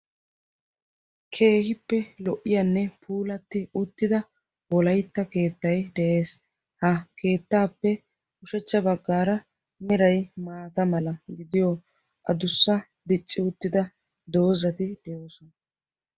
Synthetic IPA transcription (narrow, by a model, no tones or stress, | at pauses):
kʰe̞ːhɪpːɛlɔʔːɪjɐnːɛpʰuːlɐt̪ːɪʊt̪ːɪd̪ɐ | wɔlɐjt̪ːɐke̞ːt̪ːɐjd̪ɛʔe̞ːs | hɐkʰe̞ːt̪ːaːpːɛ | ʊʃɛt͡ʃːɐbɐɡːaːɾɐ | mɪɾɐjmaːt̪ɐmɐlɐɡɪd̪ɪjɔ | ʔɐ̰d̪ʊsːɐ | d̪ɪt͡ʃʼːɪʊt̪ːɪd̪ɐ | d̪o̞ːzɐt̪ɪd̪̥ɛosɔnɐ